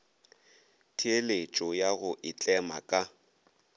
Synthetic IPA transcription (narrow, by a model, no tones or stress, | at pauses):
tʰielet͡ʃʼɔjaɣʊʔɪt͡ɬʼɛma̰kʼa